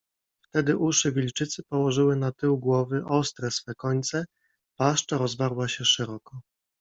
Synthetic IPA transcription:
ft̪ɛd̪ɘʔuʂɘvʲilt͡ʂɘt̪sɘpɔwɔʐɘwɘnat̪ɘwɡwɔvɘʔɔst̪ɾɛsfɛkɔɲt̪sɛ | paʂt͡ʂaɾɔzvaɾwaɕɛʂɛɾɔkɔ

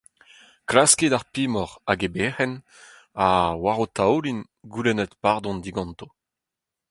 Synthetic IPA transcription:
klaskedaʁpimɔʁaɡebɛʁɛn | awaʁot̪awlin | ɡulɛnɛt̪paʁd̪ɔ̃nd̪iɡɑ̃nt̪o

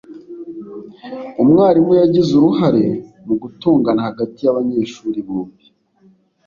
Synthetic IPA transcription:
umŋaːɾimwejaɟizuɾuɦaɾe̞ | muɡutuːŋɡanahaɡatijaβaɲe̞ːʃuɾiβuːmbi

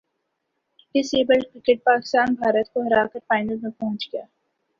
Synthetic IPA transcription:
ɪseːbəlɖkɾɪkeʈ̚paːkɪ̥st̪aːnbʱaːɾət̪̚koɦɐɾaːkəɾpaːɪnəlmẽpɔ̃ɦʊ̃t͡ʃɡɐjaː

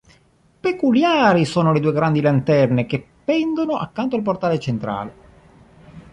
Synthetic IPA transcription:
pekuljaːɾisoːnoled̪uːeɡɾand̪ilant̪ɛrnekepːɛnd̪onoʔa̰kːant̪oalp̬ort̪aːlet͡ʃent̪ɾa̰ːle

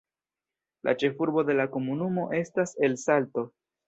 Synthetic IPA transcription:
lʔa̰t͡ʃe̞fuɾbo̞de̞lako̞munumo̞ʔe̞stase̞lsalto̞

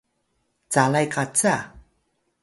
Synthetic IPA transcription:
t͡salajkat͡saa

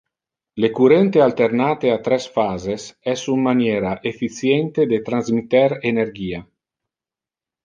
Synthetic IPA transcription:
lekuɾɛnt̪ealt̪ernaːt̪eat̪ɾɛsfaːzesɛsummːanjeːɾaʔefit̪sjɛnt̪ed̪et̪ɾanzmit̪ɛɾenerɡiːa

